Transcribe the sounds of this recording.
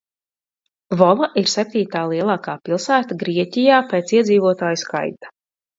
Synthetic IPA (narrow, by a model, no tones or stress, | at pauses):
vɔvaʔiɾsɛp̚t̪iːt̪aːlˠiɛlˠaːkaːpilˠsæːt̪aɡɾiɛcʲijaːpeːt̪siɛd̪zʲiːvuɔt̪aːjuska̰jt̪ḁ